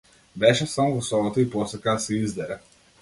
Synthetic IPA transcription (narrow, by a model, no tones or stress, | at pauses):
bɛʃɛsamɔvɔsɔvɔt̪oipɔsɛkasɛizd̪ɛɾɛ